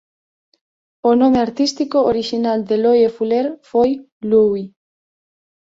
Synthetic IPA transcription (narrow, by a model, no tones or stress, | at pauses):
onõmeaɾt̪ist̪ikooɾiʃinald̪elojefuleɾfoj | luwi